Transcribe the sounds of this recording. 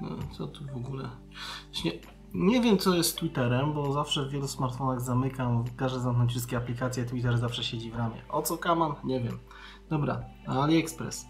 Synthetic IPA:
nɔ̰t̪sɔt̪uvɔɡulɛ | vaɕɲɛ | ɲɛvʲjɛmt̪sɔjɛst̪t̪ːwit̪ɛɾɛmbɔzafʂɛvːjɛlusmaɾt̪fɔnaɣzamɘkamkaʐɛzamknɔ̃nɲt͡ɕ̬ʲfʂɘst̪kʲɛaplʲikat̪sʲjɛt̪wit̪̬ɛɾzafʂɛɕed͡ʑivɾamʲjɛ̰ʔɔt̪sɔkamamɲɛvʲjɛm | d̪̥ɔbɾa̰ | alʲiɛkspɾɛ̰s

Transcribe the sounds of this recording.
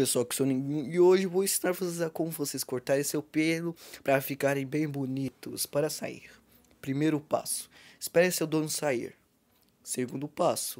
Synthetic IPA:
pesoawkɪ̥sonẽɡũɪoʒɪvowẽsinaɾvosezɐkõmʊvoseskoɾt̪aɾẽj̃sewpelʊpɾɐfikaɾẽj̃bẽj̃bonit̪ʊspaɾɐsa̰ḭɾ | pɾimejɾʊpa̰sʊ̥ɪ̥spɛɾẽsewd̪õnʊsaḭɾ | seɡũnd̪ʊpasʊ̥

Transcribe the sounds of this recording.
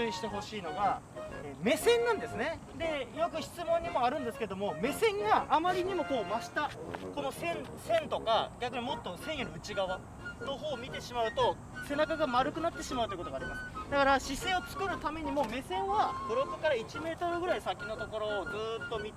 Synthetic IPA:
ɨiɕi̥t̪e̞ɦo̞ɕiːno̞ɡaeːme̞sẽ̞nːãnd̪e̞sɨne̞ | d̪e̞jo̞k̬ɯ̟çi̥t͡sɨmõ̞ɲ̟ːimo̞aɾɯ̟̃nd̪e̞sɨ̥ked̪o̞mo̞me̞sẽ̞ŋɡaʔːmaɾʲiɲ̟imo̞ko̞ːmaɕi̥t̪ako̞no̞sẽ̞n | sẽ̞nt̪o̞kaɡʲakɯ̟ɲ̟imo̞t̪ːo̞sẽ̞ɰ̃joɾʲɯ̟t͡ɕiɡaβa | noɦoːmʲit̪e̞ɕimaɯ̟t̪o̞ | se̞nakaɡamaɾɯ̟kɯnat̪ːe̞ɕimaɯ̟t̪oiɯkot̪oɡaːɾʲimasɨ̥d̪akaɾaɕisẽ̞o̞t͡sɨ̥kɯ̟ɾɯ̟t̪ame̞ɲ̟imo̞me̞sẽ̞ɰ̃βabɯ̟ɾo̞kɯ̟kaɾait͡ɕime̞ːt̪o̞ɾɯ̟ɡɯɾaisakʲino̞t̪o̞ko̞ɾo̞ːd͡zɨːt̪ːo̞mʲi

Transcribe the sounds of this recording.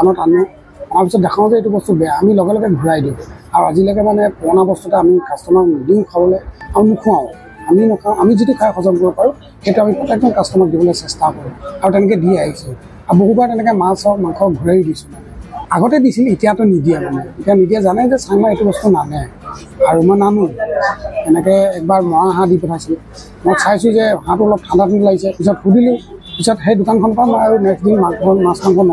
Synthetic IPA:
anɔtanɛ | amaɹpisɔt̚dakʰãw̃zɛetubɔstubɛaːmilɔɡɛlɔɡɛɡʱuɹajdiʊ̃aɹuazilɔɡɛmanɛpɔɔnabɔstutɛamikastɔnɔkndiʊ̃kʰabɔlɛaɹunukʰũãʊ̃ | aminɔkʰãamizitukʰajxɔzɔŋkɔɹɔpaɹũ | xejtuamipɹɔtɛk̚zɔnkastɔnɔk̚dibɔlɔjsɛstakoɹũaɹutɛnɛk̬ɛdiaɦisĩ | aboɦubatɛnɛkɛmasɔk̚maŋkʰɔk̚ɡʱuɹeɹidisũ̥ | aɡɔtɛdisilitijatʊnidiɛmanɛitianidijazanɛzɛsajnaetubɔstunalɛ | aɹumɔjnanũ | tɛnɛkɛɛk̚baɹmɔɹaɦãdipɔtʰajsil | mɔjsajsʊ̃zɛɦãtʊɹlɔp̚tʰãndatinlaɡisɛpisɔt̚kudilʊ̃pisɔtɦejdʊkankʰɔnɔpamɔjaɹunɛksdinmaŋkɔnmãskaŋkʰɔn

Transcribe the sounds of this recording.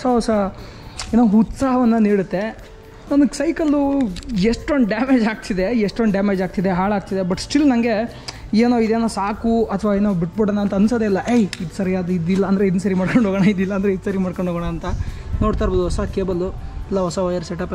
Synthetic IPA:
ɔsɐɦɔsɐ | eːnoːut̪saːɦɐʋɐnːɐniːɽut̪ːe | nɐnɐsɐjkɐlujeʂʈoɳɖɖaːmeːd͡ʒaːɡ̚t̪ʰid̪eeʂʈoɳɖɖaːmeːd͡ʒaːɡ̚t̪id̪eɦaːɭaːɡ̚t̪id̪e̞bɐʈsʈilnɐŋɡe̞ | eːnoːid̪eːnoːsaːkuɐt̪ʰʋaːeːnoːbiʈ̚biɽɐnɐːnt̪ɐːnusɐd̪eilːɐʔejid̪sɐɾijaːd̪id̪ilːɐːnd̪ɾeid̪nusɐɾimaːɽkoɳɖʱoːɡɐɳɐid̪ilːɐːnd̪ɐɾeid̪sɐɾimaːɽkoɳɖʱoːɡɐɳɐːnt̪ɐnoːɽt̪aːɾbod̪uɦɔsakeːbɐlːuɛlːɐɦɔsɐɦɔjɐɾseʈɐp

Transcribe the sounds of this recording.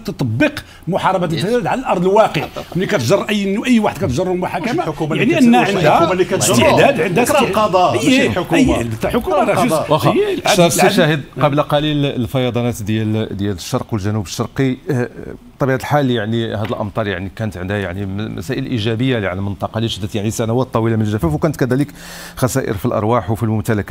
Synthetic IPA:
t̪ət̪ˤɑbːəq | mʊħɑɾˤɑbat̪t̪əd̪æd̪ʕalælʔɑɾˤd̪ˤəlwɑqəʕnːikæt̪ʒɑrˤːʔəjːnːuʔəjːwaħəd̪kæt̪ʒɑrˤːulmʊħakæmajaʕniʔənːhæʕənd̪hæiæt̪st̪əʕd̪æd̪ʕənd̪hæɑd̪ˤɑʔəːkəjːənd̪t̪æħʊkumaɾˤɑʒzʔɑxɾsʃæhəd̪qɑblæqɑlilfɑjɑd̪ˤɑnæt̪d̪jæld̪jæləʃːɑɾˤqwəlʒænubəʃːɑɾˤqi | t̪ˤɑbiʕad̪əlħaljaʕnihæd̪əlʔə̰mt̪ˤɑɾˤja̰ʕnikænət̪ʕənd̪hæjaʕnimæ̰sæʔəlʔiʒæbəjːaʕaləlmənt̪ˤɑqɑliʃəd̪ːət̪jaʕnisænæwæt̪ˤːɑwilamənəlʒːæfæfwkænət̪kæd̪ælək | xæsæʔə̰ɾfilʔɑ̰ɾˤwaħwfilmʊmt̪ælækæ

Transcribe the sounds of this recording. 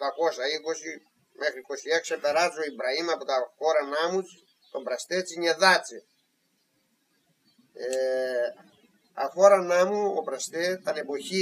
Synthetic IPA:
t̪ɐko̞sɐiko̞si | me̞xɾiko̞sieksepe̞ɾɐzoibɾɐimɐpo̞t̪ɐxo̞ɾɐnɐmut͡s | t̪o̞mbɾɐst̪et͡siɲeðɐt͡se | e | ɐxo̞ɾɐnɐmuopɾɐst̪et̪ɐne̞po̞çi

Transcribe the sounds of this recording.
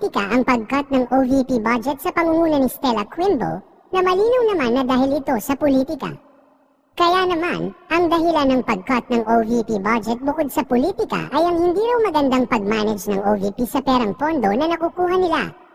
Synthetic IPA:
ɪka̰ʔɐŋpɐɡ̚kat̪̚nɐŋʔovipibad͡ʒɛt̪̚sɐpɐŋuːŋuːnɐnɪst̪ɛlɐkɹɪmbo̰l | nɐmɐliːnɐwnɐmanːɐd̪aːɦɪlɪt̪o̞sɐpʊlit̪ɪka̰ | kɐjanɐma̰nʔɐŋd̪ɐɦɪlanːɐŋpɐɡ̚kat̪̚nɐŋʔovipibad͡ʒɛt̪̚bʊkod̪̚sɐpʊliːt̪ɪka̰ʔɐjʔɐŋhɪnd̪iːɾɐwmɐɡɐnd̪aŋpɐɡ̚maːnɐd͡ʒnɐŋʔoːvipisɐpɛːɾɐŋpo̞nd̪o̞nɐnɐkuːkuːɦɐnɪla̰

